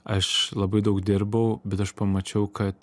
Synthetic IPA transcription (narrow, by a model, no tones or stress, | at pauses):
ɐʃlˠɐbɐɪd̪ɐʊkd̪ʲɪɾbɐʊbʲɛt̪ɐʃpɐmɐt͡ʃʲɛʊkɐt̪